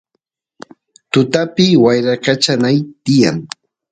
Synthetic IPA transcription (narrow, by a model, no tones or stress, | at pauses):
t̪ʊt̪apɪwajɾakat͡ʃanajt̪ɪja̰ŋ